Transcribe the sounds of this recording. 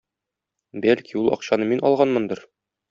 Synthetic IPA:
bælʲkiulˠɒ̰qɕɑnɤminʔɒ̰lˠʁɑnmɤnd̪ɤɾ

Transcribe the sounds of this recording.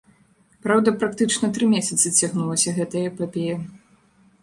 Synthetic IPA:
pɾawd̪ɐpɾakt̪ɨt͡ʂnɐt̪ɾɨmʲesʲɐt̪sɨt͡sʲaɣnulˠɐsʲɐɣɛt̪ɐjɐpapʲejɐ

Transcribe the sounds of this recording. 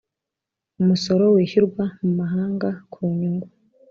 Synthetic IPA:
umuso̞ɾo̞weːçiɾɡwamumaɦaːŋɡakʰuɲuŋɡwa

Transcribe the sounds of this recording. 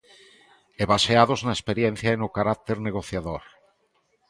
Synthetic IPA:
eβaseaðoznaespeɾjen̟θjaenukaɾak̚t̪eɾneɣ̞oθjaðoɾ

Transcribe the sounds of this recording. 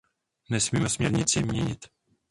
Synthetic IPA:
nɛsmiːmɛsmɲɛɾɲɪt͡sɪmɲɛɲɪt̪

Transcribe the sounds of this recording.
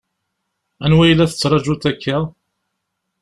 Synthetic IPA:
ænwæjəlːæθə̥t͡sːɾˤɑd͡ʒut̪ækːæ

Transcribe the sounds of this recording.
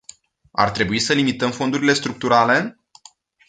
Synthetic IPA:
a̰rt̪ɾe̞buisəlimit̪əmfo̞nd̪uɾile̞st̪ɾuk̚t̪uɾale̞

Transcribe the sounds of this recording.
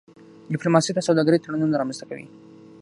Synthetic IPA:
ɖɪplomɑsit̪asawd̪ɑɡaɾijt̪aɽununaɾɑmanzt̪aka̰wḭ

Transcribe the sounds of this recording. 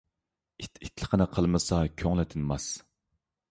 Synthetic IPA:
it̪i̥t̪ʰlə̥qʰənɨqʰəlˠmɨsɑkʲʰøŋlɛt̪ʰɪnmɑs

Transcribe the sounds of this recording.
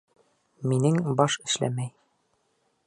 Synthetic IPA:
minɘŋbɒʃɘ̆ʃlæ̰mæj

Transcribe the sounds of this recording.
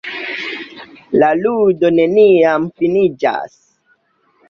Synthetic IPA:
laludone̞niamfinid͡ʒa̰s

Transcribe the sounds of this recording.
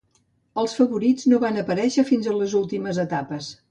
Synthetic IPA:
əlˠsfəβuɾid͡znoβanəpəɾɛʃəfinzələzulˠt̪iməzət̪apəs

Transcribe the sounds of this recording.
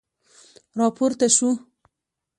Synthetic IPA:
ɾɑpoɾt̪aʃu

